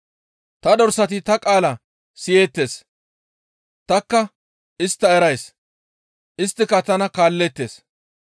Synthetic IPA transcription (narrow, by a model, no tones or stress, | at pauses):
t̪ɐd̪ɔɾsɐt̪ɪt̪ɐkʼaːlɐ | sɪje̞ːt̪ːe̞ːs | t̪ɐkːɐ | ɪst̪ːɐɛɾɐjs | ʔɪst̪ːɪkɐt̪ɐnɐkaːlːɛt̪ːeːs